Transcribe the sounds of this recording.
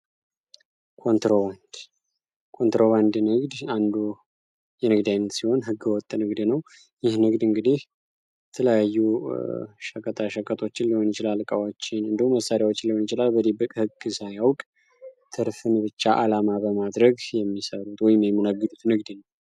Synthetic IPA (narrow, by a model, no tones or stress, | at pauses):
kʰo̞nt̪ɾoβand̪ | kʰo̞nt̪ɾo̞βand̪nɨɡd̪and̪u | jɛnɨɡd̪ajnːət̪siho̞nɦɨɡːɨwɔt̪ʼːnɨɡd̪nəw | jɪhnɨɡd̪ɨŋɡɨd̪ih | jɛt̪ʰələjajːu | ʃəkʼət̪ʼʰaʃəkʼət̪ʰʼo̞t͡ʃːɪnliho̞njɪt͡ʃɪlalkʼawot͡ʃːɪnɨnd̪əhumːəsaɾjawo̞t͡ʃːɪnliho̞njɪt͡ʃɪlalbəd̪ibəkʼhɨɡːɨsajawkʼ | t̪ʰɨɾfɨnbɨt͡ʃːaʔalamabəmad̪ɾəɡjɛmːisəɾut̪wɔjɪmjɛmːɨnəɡːɨd̪ut̪nɨɡd̪nəw